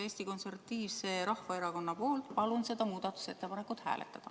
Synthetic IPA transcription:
eːsʲt̪iko̞nservɑt̪iːvse̞ːɾɑhfɑeɾɑko̞nːɑpo̞ːlt̪pɑlunse̞d̪ɑmuːd̪̥ɑt̪ːˑu̥se̞t̪ːe̞pɑne̞kːˑut̪hæ̰ːlʔḛt̪ːˑɑd̪̥ɑ

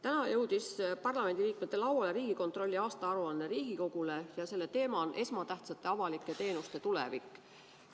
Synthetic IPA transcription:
t̪ænɑjɤwd̪̥ispɑrlɑme̞nd̪iliːk̚me̞t̪ːe̞lɑwɑleɾiːɡ̥iko̞nt̪ro̞lʲːiɑːst̪ɑɑɾuɑnːeɾiːɡ̥iko̞ɡ̥ule̞jɑse̞lːe̞t̪e̞ːmɑnʔe̞smɑt̪æht̪sɑt̪ːˑe̞ɑvɑlikːˑe̞t̪e̞ːnust̪e̞t̪ulḛvikˑː

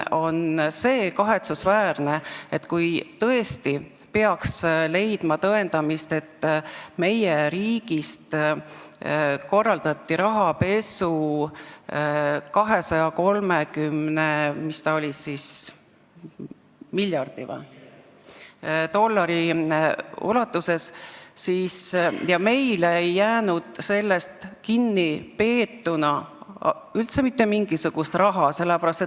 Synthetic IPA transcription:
o̞nse̞ːkɑɦe̞t̪susvæːrne̞et̪kujt̪ɤe̞st̪i | pe̞ɑksle̞jd̪̥mɑt̪ɤe̞nd̪̥ɑmist̪e̞t̪ːme̞jeɾiːɡ̥ist̪ | ko̞rːɑld̪̥ɑt̪ˑːiɾɑɦɑpe̞su | kɑɦe̞sɑjɑko̞lmekymnemist̪ɑo̞lʲisis | milʲjɑrd̪̥ivɑ̰ | t̪o̞lːɑɾi | ṵlɑt̪ːˑuse̞ssiːsjɑme̞jleejːæːnud̪̥se̞lːe̞st̪kinːipe̞ːt̪ːunɑ | ylt̪se̞mit̪ːe̞miŋɡ̥isuɡ̥ust̪rɑɦɑse̞lːepæɾɑst̪et̪

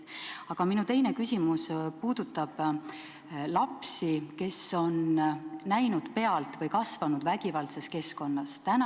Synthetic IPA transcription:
ɑɡ̥ɑminut̪e̞jne̞kysʲimuspuːd̪̥ut̪ˑːɑb̥ | lɑpsike̞so̞nnæjnud̪̥pe̞ɑlt̪vɤjkɑsvɑnud̪̥væɡ̥ivɑlse̞ske̞sko̞nːɑst̪æn

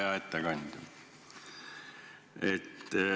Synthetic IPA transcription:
ɑet̪ːæɡ̥ɑnʲd̪̥ʲ | et̪ː

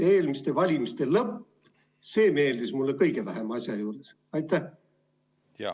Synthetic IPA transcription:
eːlmist̪e̞vɑlʲimist̪e̞lɤpː | se̞ːme̞ːld̪ismulːekɤjɡe̞væɦemɑsʲjɑjuːɾes | ɑjt̪ːæh

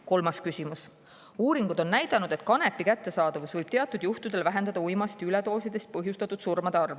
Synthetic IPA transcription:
ko̞lmɑskysʲimus | uːɾiŋɡ̥ud̪̥o̞nnæjd̪̥ɑnud̪e̞t̪kɑne̞pːikæt̪ːesɑːd̪̥ɑvusvɤjb̥t̪eɑt̪ːˑud̪juht̪ud̪̥e̞lvæɦe̞nd̪ɑd̪̥ɑujmɑst̪ylet̪o̞ːsid̪̥e̞st̪̚pɤɦjust̪ɑt̪ːˑud̪̥surmɑd̪eɑrve

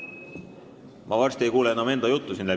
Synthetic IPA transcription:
mʔɑvɑrsʲt̪ie̞jkuːleenːɑme̞nd̪ɑjut̪ˑːusinːe

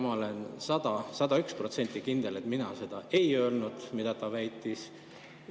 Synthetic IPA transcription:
mɑole̞nsɑd̪̥ɑsɑd̪̥ɑykspro̞t̪se̞nʲt̪ːˑikind̪̥e̞le̞t̪ˑminɑ̰se̞d̪̥ɑe̞jø̞ːlnud̪̥mid̪̥ɑt̪ɑvæjt̪ːˑis

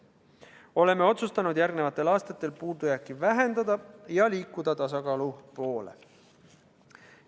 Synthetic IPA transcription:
o̞le̞me̞o̞t̪sust̪ɑnud̪jæɾɡnevɑt̪ːˑe̞lɑːst̪ɑt̪ːˑe̞lpuːd̪ujækːˑivæɦe̞nd̪̥ɑd̪̥ɑjɑliːkːud̪̥ɑt̪ɑs̬ɑkɑːlupo̞ːle̞̰

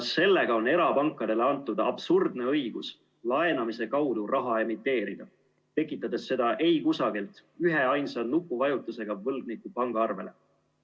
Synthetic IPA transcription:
sːe̞lːe̞ɡ̥ɑo̞ne̞ɾɑpɑŋkːˑɑd̪̥e̞le̞ɑnt̪ːˑud̪̥ɑɑb̥surd̪ne̞ɤ̞jɡ̥us | lɑe̞nɑmise̞kɑwd̪urʔɑɦɑe̞mit̪ːˑe̞ːɾid̪̥ɑ | t̪e̞kːˑit̪ːˑɑd̪̥e̞sːe̞d̪̥ɑʔe̞jkusɑɡilt̪ˑyɦe̞ɑjnsɑnukːˑuvɑjut̪ːˑuse̞ɡ̥ɑvɤlɡ̚nikːˑupɑŋɡ̥ɑɑrve̞̰le̞̰

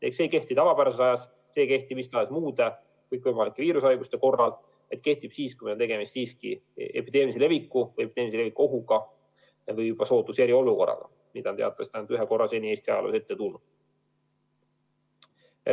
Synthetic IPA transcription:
ekse̞ːke̞ht̪it̪ɑvɑpæɾɑsesɑjɑs | se̞ːke̞ht̪imist̪ɑesmuːd̪̥e | kɯjkːˑvɤjmɑlikːeviːɾusɑjɡust̪e̞ko̞rːɑl | et̪̚ke̞ht̪ib̥siːskumeont̪e̞ɡe̞mist̪siːskḭḛpid̪̥e̞ːmlisile̞vikːˑuve̞pid̪e̞ːmlisile̞vikːˑuo̞ɦuɡ̥ɑ | ɑvɯjubɑso̞ːt̪ːˑusjeɾio̞luko̞̰rːɑ̰ɡ̥ɑ̰ | mid̪ɑnt̪e̞ɑ̰t̪ːˑɑsi̥t̪ɑnt̪yɦeko̞rːɑse̞ːnie̞ːst̪iɑjɑlo̰se̞t̪ːe̞t̪unːu̥

